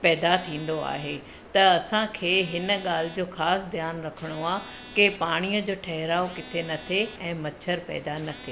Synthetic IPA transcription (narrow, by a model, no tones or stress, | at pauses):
pɛːd̪at̪ʰĩːn̆d̪oa̰ːɦeː | t̪ɐɐsãkʰeːɦɪnə̆ɠaːl̤ɪd͡ʑoːxaːsd̪jaːnɾɐkʰəɽ̃oaːkepaːɽ̃ijəd͡ʑoːʈʰɐɦɪɾaːokɪt̪ʰenɐt̪ʰeɛ̃ːmɐt͡ɕʰəɾpɛ̰ːd̪anɐt̪ʰeː